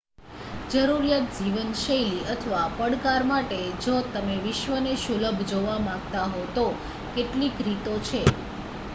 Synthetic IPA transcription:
d͡ʒəɾuɾijat̪̚d͡ʒiʋənʃəjliət̪ʰʋapəɽkaɾmaʈed͡ʒot̪əmeʋɪʃʋəneʃuləbʱd͡ʒoʋamãɡt̪aɦot̪o | keʈlikɾit̪ot͡ʃʰe

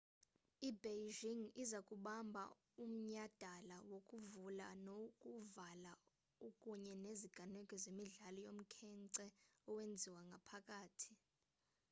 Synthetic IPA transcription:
ibeʒiŋizakʼuɓambʱa̰ | um̩ɲad̥ʱalawokʼuvula̰nokʼuvala | ukʼuɲɛneziɡ̥ʱanɛkʼɔzemiɮalɔjom̩kʰɛŋǀɛɔwend͡zʱiwaŋɡʱapʰakʼaːtʰi̥

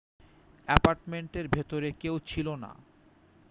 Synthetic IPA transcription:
ɛpaɾʈmeɳʈeɾbʱet̪oɾekewt͡ɕʰilona̰

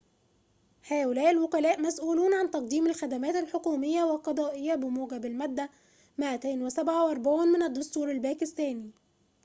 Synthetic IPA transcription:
ħæːʔʊlæːʔɪlwʊkælæːʔmæsʔuːluːnʕant̪ɑq̚d̪iːmælxæd̪æmæːt̪ɪlħokuːmɪjːæwælqɑd̪ˤɑːʔɪjːæbɪmuːɡæbɪlmæd̪ːæ | mæʔæt̪eːnwɪsæbʕawʔɑɾˤbaʕuːnmɪnæd̪ːʊst̪uːɾalbæːkɪst̪æːni

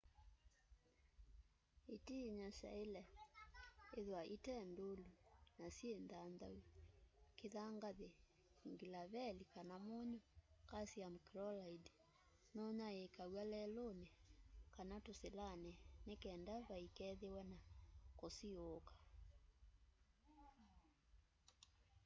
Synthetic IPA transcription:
itiɲasa̰elɛ | eðwaʔitɛndolunasjendandau | keðaŋɡaðe | ŋɡilaβɛlikanamoɲɔkasiamokiɾɔlaidi | nɔɲaekawalɛlonekanatoselanɛnekɛːndaβaikɛðewɛnakosiokḁ

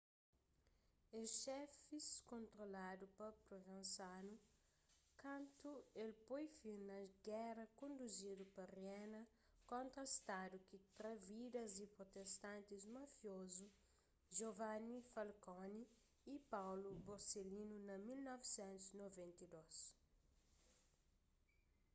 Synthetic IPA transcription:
eʃɛfiskõnt̪ɾolad̪upɐpɾovẽnsanu | kɐ̃nt̪uelpojfiɾnɐɡɛɾɐkõnd̪uzid̪upɐrjɛnɐ | kõnt̪ɾɐst̪ad̪ukit̪ɾɐvid̪ɐzipɾot̪est̪ãnt̪izmɐfjozu | ʒovanifɐlkɔniː | pawluboɾselinunɐmilnɔvsɛ̃nt̪uznovẽnt̪ɐd̪os

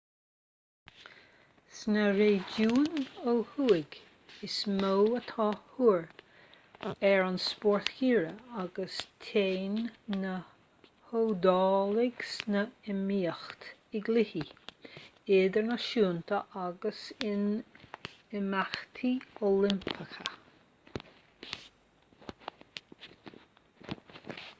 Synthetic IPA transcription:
snəɾeːd͡ʒuːnohuːɪɡ | ɪsmowət̪ʰɑːhuːɹ | ɛɹɑnspɔɹθhiːɹəaɡəst̪ʰeːnːə | hod̪ɑːlɪɡ̥snəɪmiːəxt̪ɪɡlɪhi | ɪd̪əɹnəʃuːnt̪ʰəʔaɡəsɪn | ɪmaxt̪ʰiolɪmpʰəxə̰

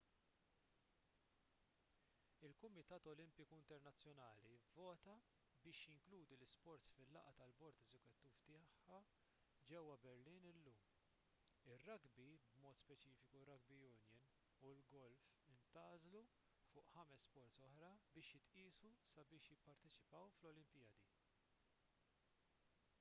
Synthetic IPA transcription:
ɪlkʊmɪt̪ɐːt̪ɔlɪmpɪkuɪnt̪ɛɾnɐt͡sːjɔnɐːlivːɔːt̪ɐ | bɪːʃjɪŋkluːd̪ilɪspɔɾt̪sfɪlːɐ̰ʔɐt̪ɐlbɔɾt̪ɛzɛkʊt̪ːiːft̪ɪːħːɐ | d͡ʒɛwːɐbɛɾliːnɪlːuːm | ɪrːɐɡbibmɔːt̪spɛt͡ʃiːfɪkurːɐɡ̚bijʊnjɛn | ulɡɔlfɪnt̪ɐːzlu | fʊːʔħɐmɛsːpɔɾt̪sɔħɾɐbɪːʃjɪt̪ʔiːsusɐbɪːʃjɪpːɐɾt̪ɛt͡ʃɪ̥pɐwflɔlɪmpɪjɐːd̪i

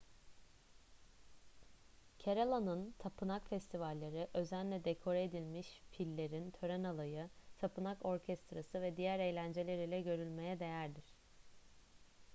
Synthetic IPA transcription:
cʰeɾalˠanɯnt̪ʰapʰɯnakfɛst̪ʰivalʲːaɾɯʔø̞zænlʲɛd̪ekʰo̞ɾaed̪ilʲmiʃpʰilʲːe̞ɾint̪ʰø̞ɾænalˠajɯt̪ʰapʰɯnako̞ɾcʰɛst̪ɾasɯvɛd̪ijæɾe̞jlʲænd͡ʒelʲe̞ɾilʲɛɟø̞ɾylʲme̞jɛd̪e̞jæɾd̪iɾ̝̥

